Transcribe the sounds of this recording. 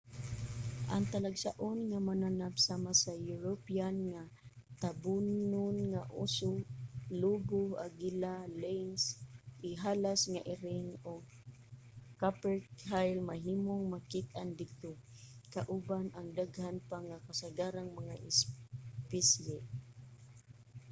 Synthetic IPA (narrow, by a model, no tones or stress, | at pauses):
ʔaŋt̪alaɡsa̰ʔonŋamananapsamasajuɹopianŋa | t̪abunʊnŋaʔusʊlubʊa̰ɡilalɛnsʔɪɦalasŋaʔɪɾɪŋo | kapɛɹhajlmaɦimoŋmakɪt̪̚and̪ɪɡ̚t̪ʊ | kaʔʊbanaŋd̪aɡhanpaŋakasaɡaɾaŋmaŋaʔɪspɪsjɛ